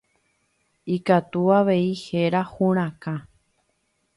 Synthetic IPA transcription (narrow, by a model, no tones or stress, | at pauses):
ikat̪uaʋeiheɾahũɾ̃ãkã